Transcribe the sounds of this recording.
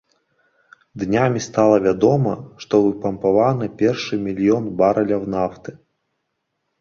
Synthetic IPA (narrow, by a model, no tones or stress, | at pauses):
d̪nʲamʲist̪alˠɐvʲad̪ɔmɐʂt̪ɔvɨpɐmpavanɨpʲɛrʂɨmʲilʲjɔnbaɾɐlʲɐwnaft̪ɨ